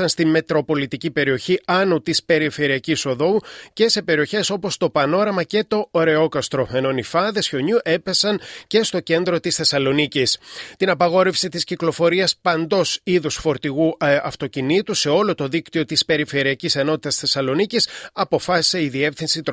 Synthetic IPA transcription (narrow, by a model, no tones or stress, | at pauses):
ɐnst̪imme̞t̪ɾo̞po̞lit̪icipe̞ɾio̞çiʔɐnut̪ispe̞ɾife̞ɾiɐciso̞ðo̞uce̞se̞pe̞ɾio̞çe̞so̞po̞st̪o̞pɐno̞ɾɐmɐce̞t̪o̞oɾe̞o̞kɐst̪ɾo̞feno̞nifɐðe̞sço̞ɲuʔe̞pe̞sɐnce̞st̪o̞ce̞nd̪ɾo̞t̪isθe̞sɐlo̞nicist̪inɐpɐɣo̞ɾe̞fsit̪isciklo̞fo̞ɾiɐspɐnd̪o̞siðusfo̞ɾt̪iɣuɐft̪o̞cinit̪use̞o̞lo̞t̪o̞ðikt̪io̞t̪ispe̞ɾife̞ɾiɐcise̞no̞t̪it̪ɐsθe̞sɐlo̞nicisɐpo̞fɐsi̥se̞iðie̞fθinsit̪